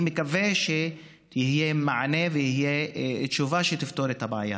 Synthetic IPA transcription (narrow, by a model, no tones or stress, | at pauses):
mekaveʃe | ihijemaʕnevejihijeʃuvaʃet̪ift̪oɾet̪habaʕaja̰